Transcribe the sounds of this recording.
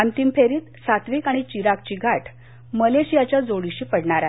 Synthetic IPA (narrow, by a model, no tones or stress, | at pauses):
ant̪impʰeɾiːt̪sat̪ʋiːkaɽ̃it͡ɕiɾak̚t͡ɕiːɡʱaʈʰ | məleɕijat͡ɕjad͡zoɽiɕiːpəɽɳaɾa